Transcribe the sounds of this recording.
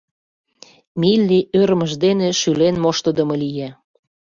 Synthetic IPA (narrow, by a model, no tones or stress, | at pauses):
milʲːiʔøɾəməʒd̪eneʃylenmoʃt̪əd̪əmɤlije